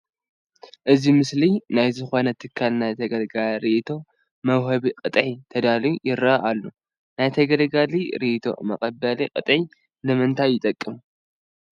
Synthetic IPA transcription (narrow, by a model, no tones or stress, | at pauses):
ʔɨzimɨslinajzɨxo̞nɐt̪ʰɨkʰːalnajt̪ʰɐɡɐlɡalɾiʔt̪ʰo̞ | mɐwɦɐβiqʼɨt̪ʼʕit̪ʰɐd̪aliujɪɾaʔalːo | najt̪ʰɐɡɐlɡaliɾiʔt̪ʰo̞̰mɐkʼɐbːɐliqʼɨt̪ʼʕi | lɨmɨnt̪ʰajːɪt̪ʼɐkʼːɨmu